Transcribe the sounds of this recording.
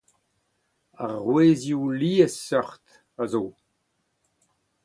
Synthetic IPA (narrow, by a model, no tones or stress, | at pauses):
aʁʁweːzjuliːəsːœʁt̪ | azoː